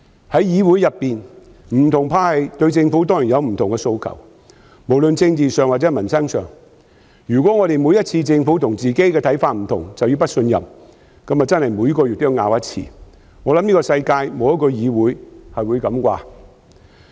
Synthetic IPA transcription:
hɐ˨˥jjiː˨˧wu˨˥jɐ˨pːiː˨n | m̩˨˩t̪ʰʊ˨˩ŋpʰaː˧hɐ˨jt̪ɵ˧ɥt͡sɪ˧ŋfuː˨˥t̪̬ɔː˥ŋji˨˩njɐ˨˧wm̩˨˩t̪ʰʊ˨ŋkɛ˧so˧wkʰɐ̰˨˩w | mo˨˩wlɵ˨nt͡sɪ˧ŋt͡siː˨sœː˨ŋwa˨t͡sɛ˨˥mɐ˨˩nsɐ˥ŋsœː˨˩ŋ | jyː˨˩kʷɔː˨˥ŋɔ˨˧ɾe˨jmuː˨˧jɐ˥t̚t͡sʰiː˧t͡sɪ˧ŋfuː˨˥t̪ʰʊ˨˩ŋt͡siː˨ke˥jkɛ˧t̪ʰɐ˨˥jfaː˧t̚m̩˨˩t̪ʰʊ̰˨˩ŋt͡sɐ˨wjyː˧wpɐ˥t̚sɵ˧njɐ̰˨m | kɐ˨˥mːɐ˨t͡sɐ˥nhɐ˨jmu˨˧˥jkɔː˧jy˨t̪̚ːjŋaː˨˧wjɐ˥t̚t͡sʰḭː˧ | ŋɔː˨˧lɐ˨˥mni˥kɔ˧sɐ˧jkaː˧jmo˨˧wjɐ˥t̚kɔ˧jiː˨˧wuː˨˥jhɐ˨jwu˨˧jkɐ˨˧˥mkʷa̰ː˧

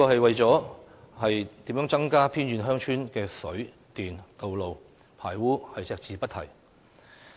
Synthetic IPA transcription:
i˥kɔː˧hɐ˨jwɐ˨jt͡sɔː˨˥ | hɐ˨jt̪iː˨˥mjœː˨˥ŋt͡sɐ˥ŋkaː˥pʰiː˥nɥyː˨˧nɦœː˥ŋt͡ʃʰyː˥nkɛː˧sɵ˨˥ɥ | t̪iː˨nt̪o˨wlo˨w | pʰaː˨˩jwuː˥hɐ˨jt͡sɛː˧k̚t͡siː˨˧pɐ˥t̚t̪ʰɐ̰˨˩j

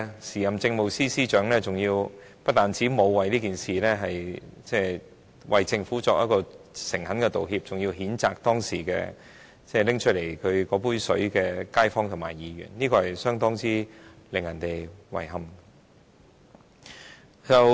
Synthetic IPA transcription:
siː˨˩jɐ˨˩mt͡sɪ˧ŋmo˨wsiː˥siː˥t͡ʃœː˨˥ŋlɛː˥t͡sʊ˨ŋjiː˧wpɐ˥t̚t̪aː˨nt͡siː˨˥mo˨˧wwɐ˨jliː˥kiː˨˩nsiː˨lɛ˥ɦɐ˨jt͡sɛː˥˧˩ | wɐ˨jt͡sɪ˧ŋfuː˨˥t͡sɔː˧jʔɐ˥t̚kɔː˧sɪ˨˩ŋhɐ˨˥nkɛ˧t̪o˨wɦiː˧p̚t͡sʊ˨ŋjiː˧wɦiː˨˥nt͡saː˧k̚t̪ɔː˥ŋsiː˨˩kɛ̰ː˧ | t͡sɛː˧˩lɪ˥ŋt͡ʃʰɵ˥t̚le˨˩jkʰɵ˨˧ɥkɔː˨˥puː˥nsɵ˨˥ɥkɛː˧kaː˥jfɔː˥ŋt̪ʰʊ˨˩maː˨˩jːiː˨˧ɥy̰ː˨˩nliː˥kɔː˧hɐ˨˩jsœː˥ŋt̪ɔː˥ŋt͡siː˥lɪ˨ŋjɐ˨˩nt̪e˨jwɐ̰˨˩jɦɐ˧m | t͡sɐ˨w

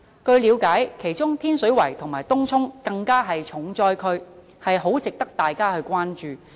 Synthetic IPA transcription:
kɵ˧ɥliː˨˧wkaː˨˥jkʰe˨˩jt͡ʃʊ˥ŋt̪ʰiː˥nsɵ˨˥ɥwɐ˨˩jt̪ʰʊ˨˩ŋmaː˨˩jt̪ʊ˥ŋt͡sʰʊ˥ŋkɐ˧ŋkaː˥ɦɐ˨jt͡ʃʰʊ˨˩ŋt͡sɔː˧jkʰɵ˧ɥ | hɐ˨jɦo˨˥wt͡sɪ˨k̚t̪ɐ˥k̚t̪aː˨jkaː˥hɵ˧ɥkʷaː˥nt͡ʃyː˨

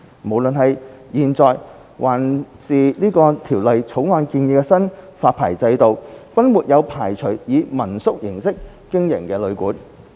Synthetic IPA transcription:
mo˨˩wlɵ˨nɦɐ˨jjiː˨nt͡sɔː˨j | wʔaː˨˩nsiː˨niː˥kɔː˧t̪ʰiː˨˩wlɐ˨jt͡sʰo˨˥wŋɔː˧nkiː˧njiː˨˧kɛ˧sɐ˥nfaː˧t̚pʰaː˨˩jt͡sɐ˧jt̪o˨wfɐ˥nmuː˨˩t̚jɐ˨˧wpʰaː˨˩jt͡ʃʰɵ˨˩ɥjiː˨˧mɐ˨˩nsʊ˥k̚jɪ˨˩ŋsɪ˥k̚ː | ɪ˥ŋjɪ˨˩ŋkɛː˧lɵ˨˧ɥkuː˨˥n

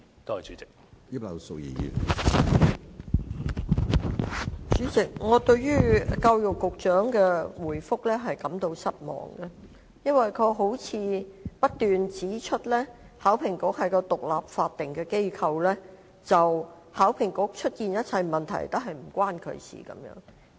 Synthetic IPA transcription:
t̪o˥ɐ˨jt͡ʃy˨˦˥t͡sɪ̥˨k̚ji˥p̚lɐ̰˨˧wso˨k̚jḭː˨jḭ˨˩ | t͡ʃyː˨˥t͡sɪ˨k̚ŋɔː˨˧t̪ɵ˧ɥɥyː˥ka˧wjʊ˨kːʊ˨k̚t͡ʃœː˨˥ŋkɛː˧wuː˨˩jfʊ˥k̚lɛː˥ɦɐ˨jkɐ˨˥mt̪o˧wsɐ˥t̚mɔ̰ː˨˩ŋɡɐ˧ | jɐ˥nwɐ˨jkʰɵ˨˧ɦo˨˥wt͡sʰiː˨˧pɐ˥t̚t̪yː˨nt͡siː˨˥t͡ʃʰɵ˥t̚lɛː˥ | haː˨˥wpʰɪ˨˩ŋkʊ˨˥hɐ˨jkɔː˧t̪ʊ˨k̚laː˨p̚faː˧t̚t̪ːɪ˨ŋkɛː˧ke˥jkʰɐ˧wlɛː˥ | t͡sɐ˨w | haː˨˥wpʰɪ˨˩ŋkʊ˨˥k̚t͡ʃʰɵ˥t̚kiː˨njɐ˥t̚t͡sʰɐ˧jmɐ˨nt̪ʰɐ̰˨˩jt̪o˥ɦɐ˨jm̩˨˩kʷaː˥nkʰɵ̰˨˧ɥsḭː˨˩kɐ̰˨˥mjœ̰ː˨˥ŋ

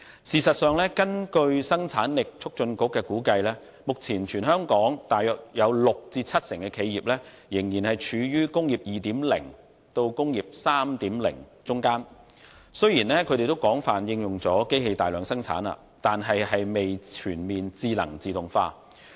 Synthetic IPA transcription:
siː˨˧sɐ˨t̚sœː˨ŋlɛː˥kɐ˥nkɵ˧ɥsɐ˥ŋt͡sʰaː˨˥nlɪ˨k̚t͡ʃʰʊ˥k̚t͡ʃɵ˧nkʊ˨˥kːɛː˧kuː˨˥kɐ˧jlɛː˥ | mʊ˨k̚t͡sʰiː˨˩nt͡ʃʰyː˨˩nhœː˥ŋkɔː˨˥ŋt̪aː˨jœː˨k̚jɐ˨˧wlʊ˨k̚t͡siː˧t͡sʰɐ˥t̚sɪ˨˩ŋkɛː˧kʰe˨˧jiː˨p̚lɛː˥ | jɪ˨˩ŋjiː˨˩nhɐ˨jt͡ʃʰyː˨˧jyː˥kʊ˥ŋjiː˨p̚jiː˨t̪iː˨˥mlɪ̰˨˩ŋ | t̪o˧wkʊ˥ŋjiː˨p̚saː˥mt̪iː˨˥mlɪ̰˨˩ŋt͡sʊ˥ŋkaː˥n | sɵ˥ɥjiː˨˩nlɛː˥kʰɵ˨˧ɾe˨jt̪o˥wkɔː˨˥ŋfaː˨njɪ˧ŋjʊ˨ŋt͡sɔː˨˥ke˥jhe˧jt̪aː˨jlœː˨˥ŋsɐ˥ŋt͡sʰa̰ː˨˥na̰ː˧˨ | t̪aː˨nɦɐ˨jɦɐ˨jme˨jt͡ʃʰyː˨˩nmiː˨nt͡siː˧lɐ̰˨˩ŋt͡siː˨t̪ʊ˨˩ŋfaː˧

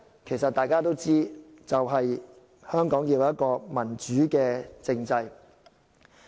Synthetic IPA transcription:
kʰe˨˩jsɐ˨t̪aː˨jkaː˥t̪o˥wt͡siː˥t͡sɐ˨wɦɐ˨j | hœː˥ŋkɔː˨˥ŋjiː˧wjɐ˥t̚kɔː˧mɐ˨˩nt͡ʃyː˨˥kɛː˧t͡sɪ˧ŋt͡sɐ˧j

